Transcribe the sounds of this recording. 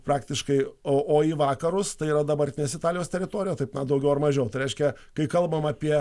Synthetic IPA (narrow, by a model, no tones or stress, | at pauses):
pɾɑːkt̪ʲɪʃkɐɪoːʔoːiːʋɑːkɐɾʊst̪ɐɪiːɾɐd̪ɐbɐɾʲt̪ʲɪnʲeːs̬ɪt̪ɑːlʲɪjoːst̪ʲɛɾʲɪt̪oːɾʲɪjoːt̪ɐɪpnɐd̪ɐʊɡʲɛʊɐrmɐʒʲɛʊt̪ɐɪɾʲɛɪʃʲkʲɛ | kɐɪkɐlˠbɐmɑːpʲiɛ